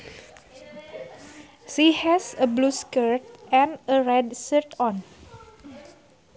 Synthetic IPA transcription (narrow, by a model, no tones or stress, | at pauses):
sihɛsəbluskəɹt̪̚ʔɛ̃nəɹɛdsəɹt̪ɔ̃n